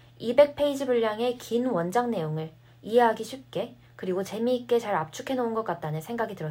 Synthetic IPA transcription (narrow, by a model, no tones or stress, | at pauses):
ibe̞k̚pʰe̞id͡ʑibuʎːaŋe̞kinwʌnd͡ʑaŋne̞joŋɯɭ | iɦe̞ɦaɡiɕʰip̚k͈e̞ | kɯɾiɡot͡ɕe̞miːk͈e̞t͡ɕaɾap̚t͡ɕʰukʰe̞nounɡʌk͈at̚t͈anɯnsʰe̞ŋɡaɡitɯɾʌ